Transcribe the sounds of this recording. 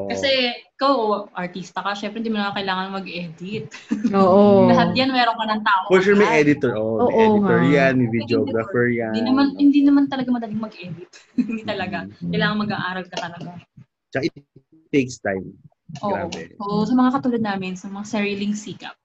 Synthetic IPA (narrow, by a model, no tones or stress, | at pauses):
ʔkɐsɛʔɪkawʔoʔɐɹt̪iːst̪ɐkɐʃɛmpɾɛɪnd̪imʊnɐŋakɐɪlaːŋɐnɐŋmɐɡʔɛd̪ɪt̪̚oːʔolɐɦat̪janmɛːɾoŋkɐnɐŋt̪aːʔopɔʃuɹmɐjʔɛd̪ɪt̪oɹʔoʔomoːʔɛɪt̪ɔɹjanmivɪd̪joɡɾɐfɛɹjad̪inɐmanhɪnd̪inɐmant̪ɐlɐɡamɐd̪ɐlɪŋmɐɡʔɛːd̪ɪt̪̚ | nit̪ɐlɐɡakɐjlaːŋɐnmɐɡaʔaːɾɐlkɐt̪ɐlɐɡa | t͡ʃɐkaɪt̪̚ | t̪ːejkst̪ajm | ʔoa̰ʔoɛ̰ʔoʔsɐmɐŋakɐt̪uːlɐd̪̚naːmɪnsɐmɐŋasɛɹɪlɪŋsiːkɐ̰p̚